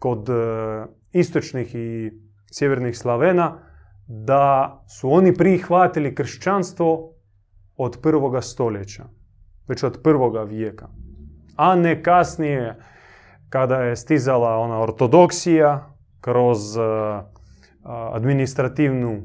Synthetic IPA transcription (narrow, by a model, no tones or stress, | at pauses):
ko̞d̪ | ist̪o̞t͡ʃnixi | sjeʋeɾnixslˠaʋena | d̪asuo̞nipɾixʋat̪ilikr̩ʃt͡ɕanst̪ʋo̞ | od̪prʋo̞ɡast̪o̞ljet͡ɕa | ʋet͡ʃod̪pr̩ʋo̞ɡaʋjeka | anekasnije | kad̪ajest̪izalao̞naoɾt̪o̞d̪o̞ksija | kɾo̞z | a̰d̪minist̪ɾat̪iːʋnu